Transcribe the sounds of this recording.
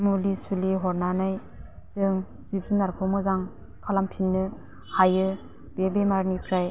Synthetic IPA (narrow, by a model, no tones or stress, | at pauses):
mulisuliɦɔɾnanaj | z̥ɯŋ | zip̚zunaɾkʰɯwmɯzaŋ | kʰalampʰinːɯ | hajɯ | b̥ebemaɾnipʰɾaj